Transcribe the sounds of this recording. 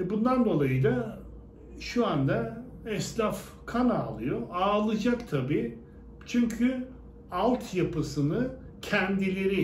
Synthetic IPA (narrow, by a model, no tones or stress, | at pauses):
bund̪and̪o̞lˠajɯd̪ˠa | ʃuand̪aɛslʲaf | kʰanaːlˠɯjoaːlˠɯd͡ʒakt̪ʰabiː | t͡ʃʰyɲcʰy | alˠt̪ʰjapɯsɯnɯ | cʰɛnd̪ilʲeɾi